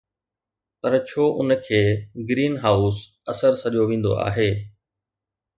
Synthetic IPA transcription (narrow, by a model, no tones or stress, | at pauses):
t̪ɐɾt͡ɕʰoːʔʊnə̆kʰeːɡɾiːnɦaːʊs | ɐsəɾsɐʄoʋẽːn̆d̪o̰ʔa̰ːɦeː